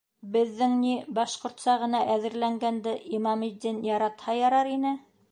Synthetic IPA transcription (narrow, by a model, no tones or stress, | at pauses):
bɘ̆ðːɘŋnibɑʃqŏɾt̪sɑʁɤ̆nɑʔæðɘ̆ɾlæŋɡænd̪ɘʔimɑmid̪ːinjɑɾɑt̪hɑjɑɾɑɾinɘ